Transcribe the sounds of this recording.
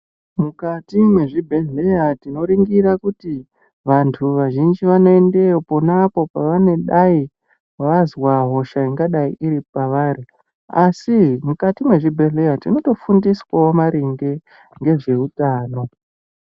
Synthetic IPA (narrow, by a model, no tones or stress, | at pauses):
mukatimwe̞ʐibʱe̞ɮe̞jatino̞ɾiŋɡiɾakuti | ʋantʰuʋaʒind͡ʒiʋano̞ende̞opo̞napo̞paʋane̞ɗai | ʋazwaɦo̞ʃaiŋɡaɗaiʔiɾipaʋari | asimukatimwe̞ʐibʱe̞ɮe̞jatino̞to̞fundiswaomaɾiŋɡe̞ | ŋɡe̞ʐe̞utaːno̞